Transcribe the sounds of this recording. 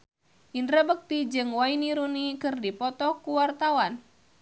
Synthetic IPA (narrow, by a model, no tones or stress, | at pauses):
ʔinrɾəbək̚t̪id͡ʒɨŋwainiɾunikɨrdipɔt̪ɔkuwart̪awan